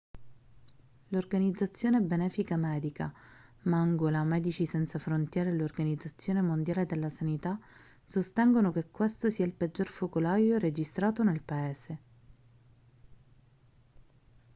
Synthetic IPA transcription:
lorɡanid̪zːat̪sːjoːnebenɛːfikamɛːd̪ika | maŋɡolamɛːd̪it͡ʃisɛnt̪safɾont̪jɛːɾelorɡanid̪zat̪sːjoːnemond̪jaːled̪elːasanit̪a | sost̪ɛŋɡonokekːwest̪osiːailped͡ʒːorfokolaːjored͡ʒist̪ɾaːt̪onelpaeːze

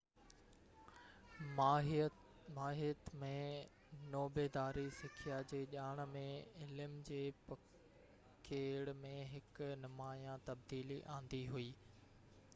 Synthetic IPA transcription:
maːɦɪət̪mẽ | noːbeːd̪aːɾisɪkʰijad͡ʑeːʄaːɽ̃̆mẽɪlɪmd͡ʑeːpɐ | kʰeːɽmẽɦɪknʊmaːjãt̪ɐb̚d̪iːliʔãːn̆d̪iɦuiː

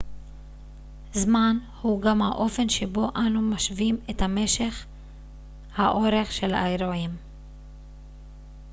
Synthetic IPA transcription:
zman | huɡamhaʔo̞fe̞nʃebo̞ʔanumaʃvimethame̞ʃe̞χ | haʔo̞ɾe̞χʃe̞la̰eɾoim

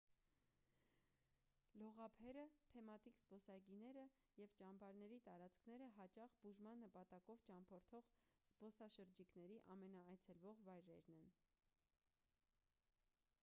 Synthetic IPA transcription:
lɔʁɑpʰɛɾət̪ʰɛmɑt̪ikzbɔsɑɡinɛɾə | jɛvt͡ʃɑmbɑɾnɛɾit̪ɑɾɑt͡skʰnɛɾəɦɑt͡ʃɑχbuʒmɑnːəpɑt̪ɑkɔvt͡ʃɑmpʰɔɾt̪ʰɔʁz̥bɔsɑʃəɾd͡ʒikn̪ɛɾiʔɑmɛnɑːjt͡sʰɛlvɔʁvɑjɾɛɾnɛn

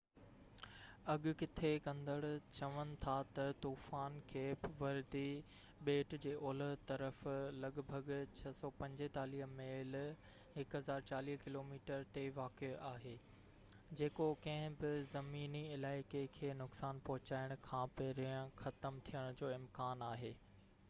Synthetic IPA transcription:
ɐɠʊ̆kɪt̪ʰekɐ̃nd̪əɽt͡ɕɐʋənɪ̆t̪ʰat̪ɐt̪uːfaːnkʰeːpʋɐɾd̪i | ɓeːʈd͡ʑeːʔoːlət̪ɐɾəflɐɠbʱəɡt͡ɕʰɐsɔːpɐ̃ɲd͡ʑɪt̪aːliːɦmeːl | ɦɪkɦɐzaːɾt͡ɕaːliːɦkɪloːmiːʈəɾt̪eʋaːkeaːɦeː | d͡ʑeːkokɐ̃ɦɪ̃bɪzɐmiːniɪlaːɪkekʰeːnʊksaːnpɐɦʊt͡ɕaːɪɽ̃kʰãːpeɾiə̃xɐt̪əmt̪ʰijəɽ̃ʊd͡ʑoːɪmkaːnaːɦeː

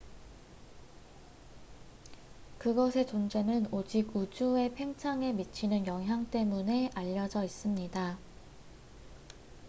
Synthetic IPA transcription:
kɯɡʌsʰe̞t͡ɕond͡ʑe̞nɯnod͡ʑiɡud͡ʑue̞pʰe̞ŋt͡ɕʰaŋe̞mit͡ɕʰinɯnjʌŋɦjaŋt͈e̞mune̞aʎːʌd͡ʑʌis͈ɯmɲida

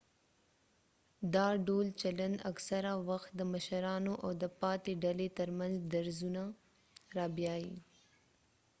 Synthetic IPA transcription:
d̪ɑɖolt͡ʃaland̪a̰ksaɾawaxt̪̚d̪əmaʃaɾɑnoʔawd̪əpɑt̪eɖalet̪əɾmanzd̪aɾzuna | ɾɑbjɑji

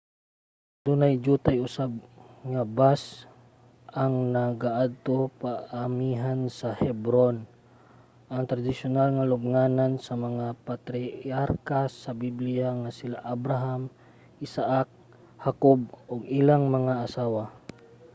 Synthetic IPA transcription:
d̪̥unajd͡ʒuːt̪ajʔʊsab̚ŋabas | ʔaŋnaɡaʔad̪̚t̪opaamiɦansɐhɛbɾon | ʔaŋt̪ɾad̪ɪsʊnalŋalʊb̚ŋanansamɐŋapat̪ɾɪaɾkasabiblɪjaŋasɪlaʔabɾaɦam | ʔɪsaʔak̚ | hakob̚oɡɪlaŋmɐŋaʔasaːwa

